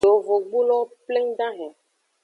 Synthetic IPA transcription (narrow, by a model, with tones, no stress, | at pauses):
o˨vo˨ɡ͡bu˦lɔ˦ple˦ŋɖa˦ɦɛ̃˨